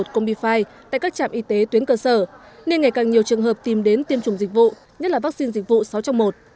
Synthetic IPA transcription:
o˨˩t̚kə˧wŋ͡mɓḭ˧faː˧jt̪a̰ː˧˨kaː˦˥k̚t͡ɕa̰ː˧˨mʔi˧t̪e˨˦t̪wənkəː˧səː˧˩ | ne˧nŋa˨˩jkaː˨˩ŋɲi˨˩əwt͡ɕɨ˨˩əŋɦəː˨˩p̚t̪i˨˩mɗe˨˦nt̪i˧əmt͡ɕʊ˨˩ŋ͡mzi˨˩k̟̚vṵ˧˨ | ɲə˦˥t̚laː˨˩vaː˦˥k̚si˧nzï˨˩k̟̚vṵ˧˨sa˨˦wt͡ɕɔ˧wŋ͡mmo˨˩t̚

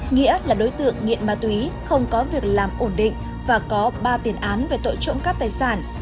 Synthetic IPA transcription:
ŋḭ˧˥əlaː˨˩ɗo˨˦jt̪ɨ̰˧˨əŋːḭ˧˨nmaː˧˩t̪wi˨˦xə˧wŋ͡mkɔ˨˦vi˨˩ək̚laː˨˩mʔo˧˩nɗḭ˧˨ŋ̟ | vaː˨˩kɔ˨˦ɓaː˧t̪i˨˩ənʔaː˨˦nve˨˩t̪o̰˧˨jt͡ɕʊ̰˧˥ŋ͡mkaː˦˥k̚t̪aː˨˩jsaː˧˩n

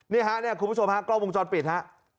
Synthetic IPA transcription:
niː˥˩ɦa˦˥ʔni˥˩kʰu˧pːʰo˧mha˦˥˩klaː˥˩wo˧ŋ˩t͡ɕɔː˧npi˨˩t̪̚ha˦˥ʔ

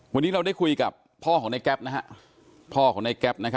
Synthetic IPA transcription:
wa˧nːiː˦˥ɾa˧wda˥˩jkʰu˧jka̰˨˩pʰːɔː˥˩ɔː˩˦ŋna˧jkɛ˦˥p̚na˦˥kʰa˦˥ʔ | pʰɔː˥˩kʰɔː˩˦ŋna˧jkɛ˦˥p̚na˦˥kʰa˦˥

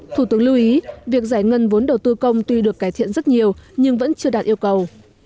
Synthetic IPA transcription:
t̪ʰu˧˩t̪ɨ˨˦əŋlu˧ʔi˨˦vi˨˩ək̚zaː˧˩jŋə˧nvo˨˦nɗə˨˩wt̪ɨ˧kə˧wŋ͡mt̪wi˧ɗɨ˨˩əkːaː˧˩jt̪ʰḭ˧˨ənzə˦˥t̚ɲi˨˩əwɲɨ˧ŋvə̰˧˥nt͡ɕɨ˧əɗaː˨˩t̚ʔi˧əwkə˨˩w

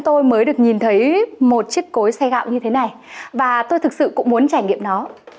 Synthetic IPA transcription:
t̪o˧jməː˨˦jɗɨ˨˩ək̚ɲi˨˩nt̪ʰə˨˦jmo˨˩t̚t͡ɕi˦˥ək̚ko˨˦jsa˧ɣa̰ː˧˨wɲɨ˧t̪ʰe˨˦na˨˩jvaː˨˩t̪o˧jt̪ʰɨ˨˩k̚sɨ̰˧˨kʊ̰˧˥ŋ͡mmu˨˦ənt͡ɕaː˧˩jŋḭ˧˨əmnɔ˨˦

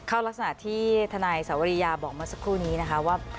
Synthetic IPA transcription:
kʰaː˥˩wla˦˥k̚sa˧na˨˩t̪ʰiː˥˩t̪ʰa˧naː˧jsaː˩˦wa˧ɾi˦˧jaː˧bɔː˨˩k̚maː˧˩sa˨˦kʰːuː˥˩niː˦˥na˦˥kʰa˦˥waː˥˩

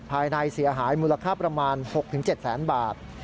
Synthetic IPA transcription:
pʰaː˧jna˧jsi˩˦ɐɦaː˩˦jmuː˧la˧kʰaː˥˩pɾa˧maː˧nho˨˩k̚t̪ʰɯ˩˦ŋt͡ɕe˨˩t̪̚sɛː˩˦nbaː˨˩t̪̚

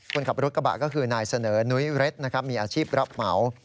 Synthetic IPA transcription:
kʰu˧nkʰa˨˩p̚ɾu˦˥t̪ka˧ba̰˨˩kɔː˥˩kʰɯː˧naː˧jsa˧nɤː˩˦nu˦˥jɾe˦˥t̪̚na˦˥kʰɾa˦˥p̚miː˧ʔaː˧t͡ɕʰiː˥˩p̚ɾa˦˥p̚ma˩˦w

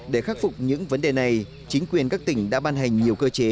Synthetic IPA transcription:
ɗe˧˩xaː˦˥t̚fʊ˨˩k͡p̚ɲɨ̰˧˥ŋvə˨˦nɗe˨˩na˨˩j | t͡ɕï˨˦ŋ̟kwi˨˩ənkaː˦˥k̚t̪ï˧˩ŋ̟ɗa̰ː˧˥ɓaː˧nɦa˨˩jŋ̟ɲi˨˩əwkəː˧t͡ɕe˨˦

